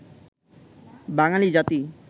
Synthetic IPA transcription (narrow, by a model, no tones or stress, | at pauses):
baŋalid͡ʑat̪i